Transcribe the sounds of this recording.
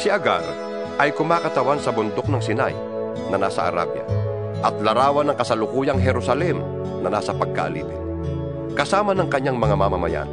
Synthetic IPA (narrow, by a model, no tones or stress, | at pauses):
sɪɐɡa̰ɾ | ʔɐjkʊmaːkɐt̪ɐwansɐbʊnd̪ok̚nɐŋsɪna̰j | nɐna̰sɐ̰ʔɐ̰ɾa̰bjɐ̰ | ʔɐt̪̚lɐɾaːwɐnɐŋkɐsɐlʊkuːjɐŋɦɛɾʊsɐlɛm | nɐnaːsɐpɐɡ̚ka̰ʔɐ̰lḭːpɪn | kɐsaːmɐnɐŋkɐɲːaŋmɐŋamamamɐja̰n